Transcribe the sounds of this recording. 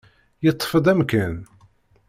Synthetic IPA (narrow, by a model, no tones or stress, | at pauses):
jət̪ˤːfəd̪ˤæmkæn